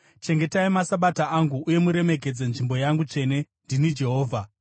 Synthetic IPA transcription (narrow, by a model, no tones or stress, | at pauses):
t͡ʃe̞ŋɡe̞taimasaɓataʔaŋɡuːje̞muɾe̞me̞ke̞d͡ze̞nʐimbo̞jaŋɡut͡ʂe̞ːne̞ | ndinid͡ʒe̞ɦo̞ːvʱa